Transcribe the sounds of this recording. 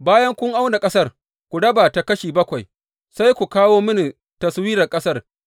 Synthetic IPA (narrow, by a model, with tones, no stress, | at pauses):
baː˦jɐ˦ŋkʷʊ˦ŋʔa˦wna˨kʼɐ˦sɐ˦r | kʷu˨ɽɐ˦baː˨ta˨kɐ˦ʃiː˨bɐ˦kʷa˨j | sa˦jkʷu˨kaː˦woː˦mʊ˦ni˨ | tɐ˨swiː˦ɾɐ˨kʼɐ˦sɐ˦r